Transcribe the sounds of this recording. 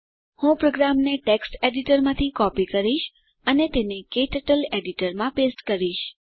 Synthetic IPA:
hũpɾoɡɾamneʈeksʈeɖiʈəɾmãt̪ʰikɔpikəɾiʃ | ənet̪enekeʈəʈəleɖiʈəɾmãpesʈkəɾiʃ

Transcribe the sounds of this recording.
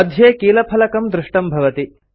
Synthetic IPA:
ɐd̪ʱjeːkiːlɐpʰɐlɐkɐmd̪ɾɪʂʈɐmbʱɐʋɐt̪i

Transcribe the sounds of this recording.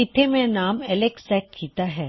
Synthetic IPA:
ɪt̪ʰːemẽnaːmɛleksɛːʈ̚kʰiːt̪aɦɛː

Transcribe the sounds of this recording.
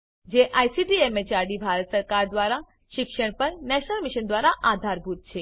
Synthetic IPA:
d͡ʒeʔajsiʈiemet͡ʃaɾɖibʱaɾət̪səɾkaɾd̪ʋaɾa | ʃɪkʃəɳ̃pəɾnɛʃnəlmiʃənd̪ʋaɾaʔad̪ʱaɾbʱut̪̚t͡ʃʰe

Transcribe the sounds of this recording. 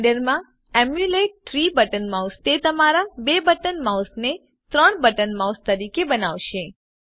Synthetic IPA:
ɖəɾmã | ɛmjuleʈ̚ʈɾibəʈənmawst̪et̪əmaɾabebəʈənmawsne | t̪ɾəɳbəʈənmawst̪əɾikebənaʋʃe

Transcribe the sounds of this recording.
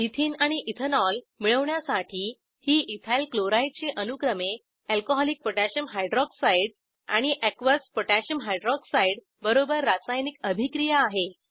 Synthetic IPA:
it̪ʰiːnaɽ̃iʔit̪ʰənɔl | miɭəʋɳjasaʈʰiː | hiːʔit̪ʰalkloɾajt͡ɕeʔənukɾəme | ɛlkoɦɔlik̚pəʈaɕəmɦajɖɾɔksaiɽ | a̰ɽ̃iʔɛkʋəspoʈaɕəmɦajɖɾɔksaiɽ | bəɾobəɾːasajnikəbʱikɾijaːɦe

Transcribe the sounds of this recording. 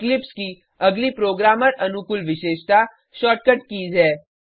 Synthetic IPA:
klɪpski | ɐɡlipɾoːɡɾaːməɾɐnukʊlʋɪʃeːʃt̪a | ʃɔːʈ̚kəʈkiːd͡ʒɦɛː

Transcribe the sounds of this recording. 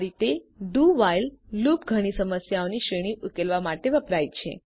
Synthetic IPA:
ɾit̪eɖuʋaillupɡʱəɽ̃isəməsjaoniʃɾeɽ̃iʔukelʋamaʈeʋəpɾajt͡ʃʰḛ

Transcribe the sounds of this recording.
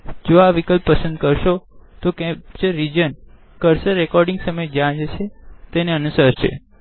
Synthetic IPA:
d͡ʒoaʋikəlpːəsə̃nd̪̚kəɾʃot̪okɛ̃pt͡ʃeɾid͡ʒən | kəɾseɾekɔɾɖĩŋɡsəməjd͡ʒãd͡ʒəʃʰet̪eneənusəɾʃʰḛ

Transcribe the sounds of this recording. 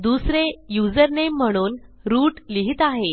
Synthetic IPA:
d̪usɾejud͡zəɾnemm̤ːəɽ̃uːn | ɾuːʈliɦit̪aɦe

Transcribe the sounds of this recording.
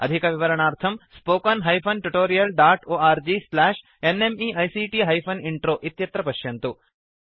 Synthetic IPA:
ɐ̰d̪ʱikɐʋiʋɐɾɐɳaːɾt̪ʰɐmspoːkɐnɦɐjpʰɐnʈuʈoːɾijɐlɖaːʈoːaːɾd͡ʒislaːʂ | enemiɐjsiːʈiɦɐjpʰɐniɳʈɾoːʔit̪jɐt̪ɾɐpɐʃjɐnt̪u

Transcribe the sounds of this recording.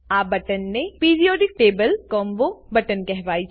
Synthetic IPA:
aːbɐʈənːepiːɾijoːɖɪk̚ʈeːbəlkɔːmʋobɐʈənkɛɦʋaːi

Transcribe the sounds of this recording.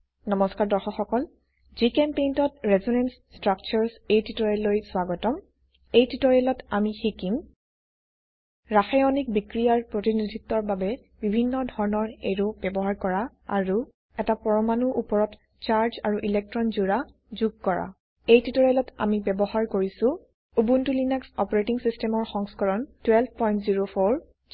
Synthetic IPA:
nɔmɔskaɹdɔɹxɔxɔkɔl | zikɛmpejntɔtɹɛzɔnɛnsstɹak̚t͡ʃɔɹsejtʰitɔɹɛlojswaɡɔtɔm | ejtʰitɔɹɛlɔtamixikim | ɹaxajɔnik̚bikɹijaɹpɹotinidʱitːɔɹbabɛ | bibʱinːɔdʱɔɹnɔɹḛɹobɛbɔɦaɹkɔɹa | a̰ɹu | ɛtapɔɹɔmanuʔupɔɹɔt | t͡ʃaɹza̰ɹuʔilɛk̚tɹɔnzuɹa | zuɡ̚kɔɹa̰ | ejtitɔɹɛlɔta̰mibɛbɔɦaɹkoɹisʊ̃ | ubuntulinaksɔpɔɹetiŋsistɛmɔɹxɔŋskɔɹɔntwɛlb̚ʰʱpɔjntziɹopʰɔɹ

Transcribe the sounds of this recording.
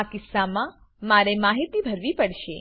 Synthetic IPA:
kɪsːamã | maɾemaɦit̪ibʱəɾʋipəɽʃe

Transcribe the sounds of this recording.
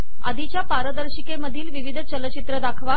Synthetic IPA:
a̰d̪ʱit͡ɕjapaɾəd̪əɾɕikeməd̪ʱiːlʋiʋid̪ʱət͡ɕələt͡ɕit̪ɾəd̪akʰʋa

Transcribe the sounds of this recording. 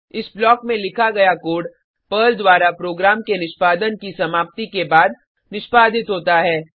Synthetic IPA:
ɪsblɔːkmẽlɪkʰaɡɐjakoːɽ | pəːld̪waːɾapɾoːɡɾaːmkenɪʃpaːd̪ənkisɐmaːp̚t̪ikebaːd̪̚ | nɪʃpaːd̪ʱɪt̪ɦoːt̪aɦɛː

